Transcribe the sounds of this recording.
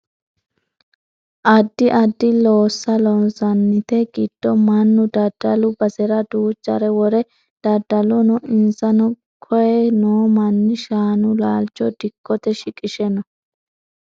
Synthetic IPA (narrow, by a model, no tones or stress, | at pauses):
ʔɐd̪ːɪʔɐd̪ːɪloːsːɐlɔnsɐnːɪt̪ɛɡɪd̪̥ːɔmɐnːʊd̪ɐd̪̥ːɐlʊbɐsɛɾɐd̪uːt͡ʃʼːɐ̰ɾɛwɔɾɛ | d̪̥ɐd̪ːɐlɔnɔʔɪnsɐnɔ | kʰɔjɛnoːmɐnːɪʃaːnʊlaːlt͡ʃːɔd̪ɪkːɔt̪ɛʃɪkʼɪʃɛnɔ